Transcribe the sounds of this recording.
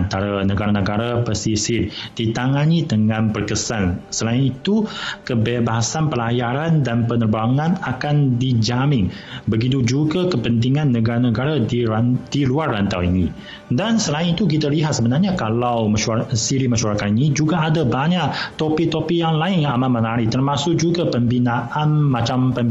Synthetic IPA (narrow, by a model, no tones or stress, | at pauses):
nt̪aɾanəɡaɾanəɡaɾapəsisid̥it̪aŋanit̪əŋãnpərkəsansəlaɪnit̪ukəbebaɦasanpəlajaɾandanpənərbaŋãnakandid͡ʒamɪŋ | bəɡit̪ud͡ʒuɡakəpənt̪̬iŋanːəɡaɾanəɡaɾadiɾd̥iluarːant̪a̰wḭni | dansəlaɪnit̪uk̬it̪aliɦat̪səbənarɲakalawməsiɾimaʃuaɾakat̪inid͡ʒuɡaːdabaɲaʔt̪ɔpit̪opijaŋlaɪnamanmənaɾit̪ərmasʊk̚d͡ʒuɡapəmbinaʔanmat͡ʃampəm